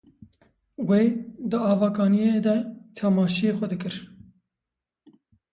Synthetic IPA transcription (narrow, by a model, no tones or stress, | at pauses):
weːd̪ɨɑːvɑːkɑːnijeːd̪ɛt̪ʰamɑːʃijexʷɛd̪ɨkɨɾ